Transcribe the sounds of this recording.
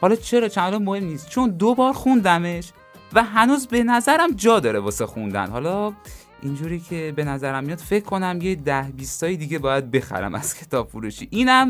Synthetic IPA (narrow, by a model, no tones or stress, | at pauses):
hɒlɒːt͡ʃʰe̞ɾɒːt͡ʃʰændlɒmmohe̞mniːst̪t͡ʃʰo̞nd̪obɒːɾxund̪æme̞ʃ | væɦænuːzbe̞næzæɾæmd͡ʒɒːd̪ɒːɾebɒːsexund̪æ̰nhɒlɒ | ʔind͡ʒuɾiːcʰe̞be̞næzæɾæmːijɒd̪̥fe̞cʰːo̞næmjed̪æhbiːst̪ɒːjid̪iːɡe̞bɒːjæd̪̚be̞xæ̰ɾæ̰mæ̰z̥cʰe̞t̪ʰɒːb̥fuɾuʃiʔiːnæm